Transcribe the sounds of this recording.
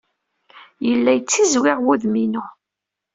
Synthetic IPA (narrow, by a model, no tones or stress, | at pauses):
jəlːæjt͡sːizwɪʁwuðminʊ